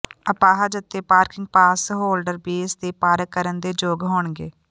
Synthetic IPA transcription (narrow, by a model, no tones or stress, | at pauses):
əpaːɦaːd͡ʒət̪ːeːpaːɾkɪŋɡ̚paːsɦoːlɖəɾbeːsd̪eːpaːɾəkːəɾənd̪eːd͡ʒoːɡɦoːɳɡeː